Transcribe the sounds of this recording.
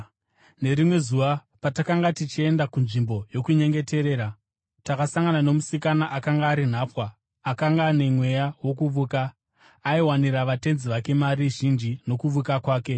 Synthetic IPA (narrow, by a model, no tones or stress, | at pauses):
ne̞ɾimwe̞zuʋa | patakaŋɡatit͡ʃie̞ndakunʐimbo̞jo̞kuɲe̞ŋɡe̞te̞ɾe̞ːɾa | takasaŋɡanano̞musikanaʔakaŋɡaːɾin̤aːpwaː | kaŋɡaːne̞mwe̞jawo̞kuʋuːkaː | iwaniɾaʋate̞nziʋake̞maɾiʒind͡ʒino̞kuʋukakwaːke̞